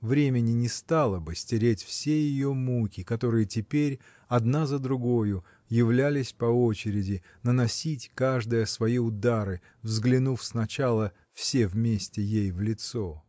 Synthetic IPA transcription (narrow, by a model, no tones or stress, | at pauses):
vɾʲemʲɪnʲɪnʲɪst̪alˠəbɨsʲtʲɪɾʲetʲfsʲejɪjomukʲɪkɐt̪o̞ɾɨjətʲɪpʲeɾʲ | ɐd̪nazəd̪ɾʊɡo̞jʊ | jɪvlʲælʲɪsʲpɐo̞t͡ɕɪɾʲɪdʲɪ | nənɐsʲitʲkaʐd̪əjəsvɐiʊd̪aɾɨ | vzɡlʲɪnufsnɐt͡ɕalˠə | fsʲevmʲesʲtʲɪjejvlʲɪt̪so̞